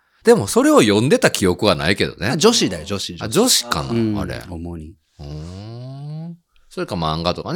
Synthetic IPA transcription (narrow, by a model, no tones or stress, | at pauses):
d̪̥e̞mo̞so̞ɾe̞o̞jõ̞nd̪e̞t̪akʲijo̞kɯ̟βana̰ike̞d̪o̞̰ned͡ʑo̞ɕid̪ajod͡ʑoɕiad͡ʑo̞ɕi̥ka̰na̰a̰ɾe̞̰omoɲi | ɯ̃ː | so̞ɾekːamãŋɡat̪o̞kan